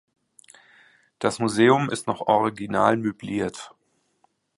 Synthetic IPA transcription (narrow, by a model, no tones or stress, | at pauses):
d̥asmuzeːʊmɪstnɔχɔʁiɡina̰ːlmøbliːɐt